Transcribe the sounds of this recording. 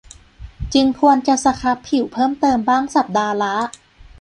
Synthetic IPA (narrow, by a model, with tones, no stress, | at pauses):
t͡ɕɯ˧ŋkʰu˧ənt͡ɕa˨˩sa˧kʰa˦˥pʰːi˨˩˦wpʰɤː˥˩mt̪ɤː˧mbaː˥˩ŋsa˨˩p̚daː˧la˦˥